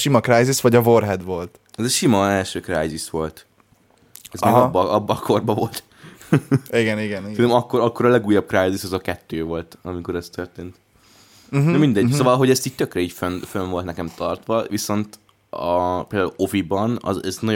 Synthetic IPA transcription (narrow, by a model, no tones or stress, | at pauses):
ʃimɒkrajzisʋɒɟɒvo̞rɦɛd̪vo̞lt̪ | ɛzɛʃimɒɛlʃøːkrajzisʋo̞lt̪ | ɛzzeːɡɒbːɒʔɒbːɒkʰo̞rbɒvo̞lt̪ | iɡɛniɡɛnsɛnɛmɒkːoɾɒkːo̞ɾɒlɛɡuːjːɒb̚kraːjzisɒzɒkɛt̪ːøːvo̞lt̪ɒmiko̞ɾɛst̪ørt̪eːnt̪ | ɛmind̪ɛɟssoːvɒlɦo̞ɟɛst̪iːc̚t̪økrɛiːcfønfønvolt̪nɛkɛmt̪ʰɒrt̪ʋɒviso̞nt̪ | ɒpeːld̪aːulo̞vibɒnɒ̰zɛznɒ